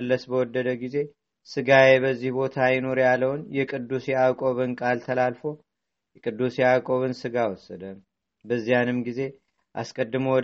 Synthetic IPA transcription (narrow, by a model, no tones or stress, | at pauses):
lːəsbəwɔd̪ːəd̪əɡize̞ | sɨɡajebəzːihbo̞t̪ʰajɪno̞ɾjalːəwnjɛkʼɨd̪ːusjɛakʼo̞βɨnkʼalt̪ʰəlalfo̞ | jɛkʼɨd̪ːusjɛakʼo̞βɨnsɨɡawɔsəd̪ə | bəzːijanɨmɡize̞ | ʔa̰skʼəd̪ːɨməwɔ